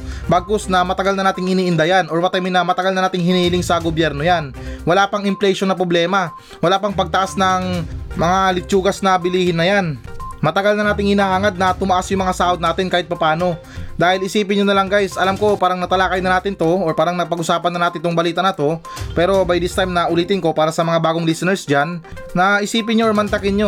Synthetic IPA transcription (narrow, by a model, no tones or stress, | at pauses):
baɡ̚kosnɐmɐt̪ɐɡalnɐnaːt̪ɪŋɪniːʔɪnd̪ajanʔoɹmɐt̪ajmɪnɐmɐt̪ɐɡalnɐnaːt̪ɪŋhɪniːhɪlɪŋsɐɡobjɛɾno̞janwɐlaːpɐŋɪmplɛjʃonːɐpɾoblɛːmɐ | wɐlaːpɐŋpɐɡ̚t̪ɐʔasnɐŋmɐŋalɪt͡ʃuːɡɐsnɐbɪliːhɪnːɐjanmɐt̪ɐɡalnɐnaːt̪ɪŋhɪnaːhaːŋɐd̪̚nɐt̪ʊmɐʔasjʊŋmɐŋasaːʔo̞d̪̚naːt̪ɪnkaːhɪt̪̚pɐpaːno̞ | d̪aːhɪlɪsiːpɪnɲonɐlaŋɡajsʔɐlamko̞paːɾɐŋnɐt̪ɐlaːkɐjnɐnaːt̪ɪnt̪o̞oɹpaːɾɐŋnɐpɐɡʊsaːpɐnːɐnaːt̪ɪnt̪oŋbɐliːt̪ɐnɐt̪o̞ | pɛːɾo̞bajd̪ɪst̪ajmnɐʔʊliːt̪ɪnko̞paːɾɐsɐmɐŋabaːɡoŋlisɛnɛɹsd͡ʒanː | ɐʔɪsiːpɪnɲoʔoɹmɐnt̪ɐkɪnɲo̞